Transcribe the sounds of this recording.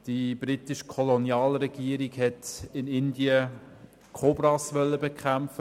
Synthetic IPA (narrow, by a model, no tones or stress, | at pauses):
d̥ib̥ɾitɪʃkʰɔlonjɑːlrɛɡ̥iəɾiɡhɛtɪnɪndiə | kʰobɾɑsʋœlːəbekʰæmfə